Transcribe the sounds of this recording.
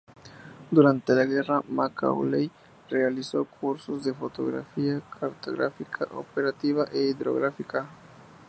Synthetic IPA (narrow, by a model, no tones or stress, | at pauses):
d̪uɾant̪elaɣɛramaka̰wlej | realisokʰuɾsʊzd̪efot̪oɣɾa̰fiakʰaɾt̪o̰ɣɾa̰fikʰaʔo̰peɾat̪iβaʔeiðɾo̰ɣɾafika